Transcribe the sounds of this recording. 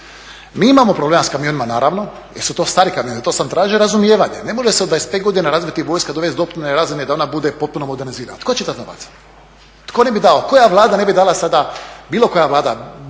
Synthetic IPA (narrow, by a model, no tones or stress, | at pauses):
miimamopɾoblemaskamijo̞nimanaːɾaːʋno̞ | jeɾsut̪o̞ːst̪aːɾikamijonit̪o̞sant̪ɾaːʒioɾazumjeːʋaɲene̞mo̞ʒeseod̪vaesped̪ɡo̞d̪inaɾazʋit̪ːiʋo̞ːjskad̪oʋe̞st̪d̪opɾineɾaːzened̪ao̞nabud̪e̞po̞t̪̚punomo̞d̪eɾniziːɾa̰na̰t̪ko̞t͡ɕed̪at̪noʋa̰ːt̪sḁ | t̪kone̞bid̪aoko̞jaʋlˠaːd̪ane̞bid̪aːlasad̪abiːlˠo̞ko̞jaʋlˠaːd̪a